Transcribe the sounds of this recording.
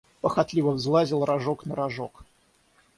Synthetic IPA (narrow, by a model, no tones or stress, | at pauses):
pəxɐt̪lʲivəvzlˠazʲɪlˠrɐʐoknəɾɐʐok